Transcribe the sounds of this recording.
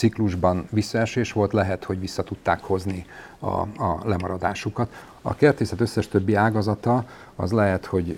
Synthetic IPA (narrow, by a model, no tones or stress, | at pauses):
ikluʒbɒnvisːɒɛʃeːʃʋo̞lt̪lɛɦɛt̪ho̞ɟʋisːɒt̪ut̪ːaːkho̞zniɒ̰ɒlɛmɒɾɒd̪aːʃukɒt̪ | ɒ̰kert̪eːsɛt̪øsːɛʃt̪ø̞bːiaːɡɒzɒt̪ɒ | ɒ̰zlɛɦɛt̪ho̞ɟ